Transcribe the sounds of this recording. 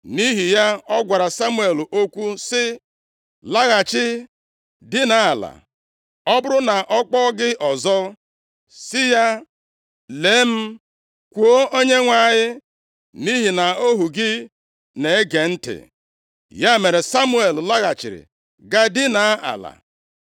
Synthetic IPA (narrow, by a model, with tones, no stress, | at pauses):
ni˦ɦi˨ja˦ɔ˦ɡʷa˨ɾa˨sa˦mu˦e˨lʔo˦kʷu˦sɪ˦ | la˦ɣa˨t͡ʃɪ˦ | dɪ˦na˨˦a˨la̰˨ | ɔ˦bʊ˦ɾʊ˦na˨ʔɔ˦k͡pɔ˦ɡɪ˦ʔɔ˨zɔ˦ | sɪ˦ja˦ | le˨˦m̩˦ | kʷu˨o˦o˦ɲe˦ŋʷa˦˨ɲɪ˦ | ni˦ɦi˨na˨o˦ɦu˨ɡɪ˦ | ne˨e˦ɡe˨n̩˦tɪ̰˨ | ja˦me˨ɾe˨sa˦mu˦e˨lla˦ɣa˨t͡ʃɪ̰˨ɾɪ̰˨ | ɡa˦dɪ˦na˨˦a̰˨la̰˨